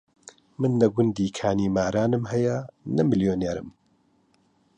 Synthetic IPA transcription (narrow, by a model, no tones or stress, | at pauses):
mɨnːɐɡʷʊnd̪iːkʰaːniːmaːɾaːnɨmhɐjɐnɐmɨljoːneːɾɨ̰m